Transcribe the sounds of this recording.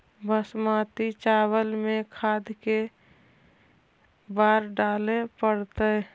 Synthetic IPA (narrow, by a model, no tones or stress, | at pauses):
bəsmaːt̪it͡ʃaːwəlmẽkʰaːd̪ke | baːɾɖaːlepəɽt̪ə